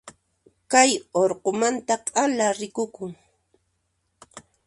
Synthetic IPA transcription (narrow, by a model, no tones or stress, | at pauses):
kajoɾqomant̪aqʼalaɾɪkʊkʊŋ